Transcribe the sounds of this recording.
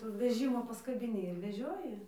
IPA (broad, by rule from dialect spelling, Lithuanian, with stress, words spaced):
ˈtuː ʋʲɛˈʒʲɪmoː pɐskɐbʲɪˈnʲɪ ɪr ʋʲɛˈʒʲoːjɪ